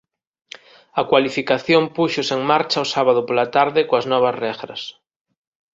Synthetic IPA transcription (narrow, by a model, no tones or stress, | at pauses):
ɐkwalifikaθjompuʃoseŋmaɾt͡ʃaʊsaβað̞ʊpolat̪aɾðɪkoaznɔβ̞ɐzrɛɣɾɐ̰s